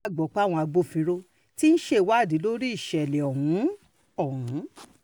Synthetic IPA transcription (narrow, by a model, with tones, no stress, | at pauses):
ɡ͡bɔ˨˦k͡pa˦˨w̃ɔ̃˧a˧ɡ͡bo˧˨fĩ˧ɾo˧ | ti˦ñ̩˦ʃe˦˨˦wa˦˨di˨˦lo˦ɾi˦i˦˨ʃɛ˨lɛ˨ɔ˨hũ˨˦ | ɔ˦˨hũ˨˦